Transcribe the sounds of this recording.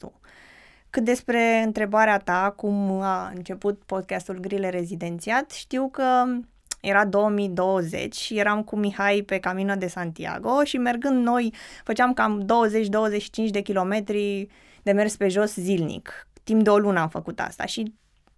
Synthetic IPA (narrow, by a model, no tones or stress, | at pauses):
ṵ | kɨt̪̚d̪e̞spɾe̞ɨnt̪ɾe̞baɾeat̪akumaɨ̰nt͡ʃe̞put̪̚po̞d̪̚kʲast̪ulɡɾileɾe̞zid̪e̞nt̪siat̪ʃt̪iwkə | jʔe̞ɾad̪o̞wəmid̪o̞wəze̞̰t͡ʃʲje̞ɾamkumihajpe̞kaminəd̪e̞sant̪ia̰ɡo̞ʃime̞rɡɨnd̪no̞jfət͡ʃeamkamd̪o̞wəze̞t͡ʃʲd̪o̞wəzeʃi̥t͡ʃint͡ʃʲd̪e̞kʲilo̞me̞t̪ɾi | d̪̥e̞me̞rspe̞ʒo̞szilnḭkt̪impd̪eo̞lunəamfəkut̪a̰st̪a̰ʃi